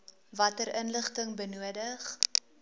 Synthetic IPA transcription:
vɐtəɾənləχtəŋbənuədəχ

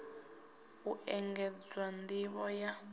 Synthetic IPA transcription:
uʔɛŋɡɛd͡zwandiβɔja

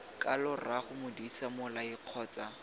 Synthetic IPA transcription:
kʼalʊraχʊmʊdisamʊlaɪq͡χʰɔːt͡sa

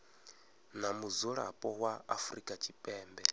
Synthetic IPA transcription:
namuzɔɺa̰pʼɔwaːfɾikʼat͡ʃʼipʼɛːmbɛ

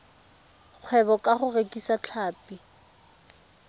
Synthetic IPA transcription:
q͡χʰwɛβɔkʼaχʊrekʼisat͡ɬʰaːpi

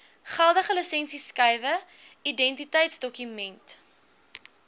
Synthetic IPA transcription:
χælˠdəχələsɛnsiskɐjvə | idɛntitəjtsdɔkymɛnt

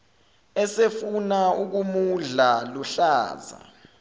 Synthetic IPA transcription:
ɛsefunauk̬umuɮaluɬaːza̰

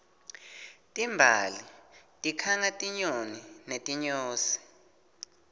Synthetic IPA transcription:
tʼimbʱalitʼikʰaŋatʼiɲoninetʼiɲoːsi̥

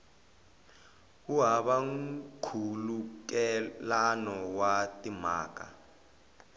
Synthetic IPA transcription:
uɦaɓaŋ̩kʰuluk̬ʼɛlanɔwatʼima̰ːk̬ʼa̰

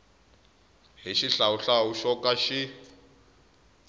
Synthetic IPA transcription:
ɦiʃiɬauɬaɦuʃɔkʼaʃi

